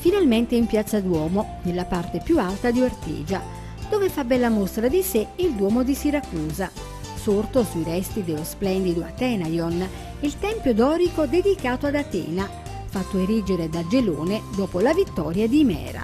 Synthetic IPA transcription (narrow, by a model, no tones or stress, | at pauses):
finalment̪eimpjat̪sːad̪wɔːmonelːapart̪epjualt̪ad̪iart̪ḭːd͡ʒa | d̪̥oːvefabːɛlːamost̪ɾad̪iseild̪wɔːmod̪isiɾakuːza | sort̪osuiɾɛst̪id̪elosplɛnd̪id̪oa̰t̪ɛːnajɔn | ilt̪ɛmpjod̪ɔːɾikod̪ed̪ikaːt̪oad̪at̪ɛ̰ːna | fat̪ːoeɾid͡ʒeɾed̪ad͡ʒelo̰ːned̪ɔːpolavit̪ːɔ̰ːɾjad̪imɛ̰ːɾa̰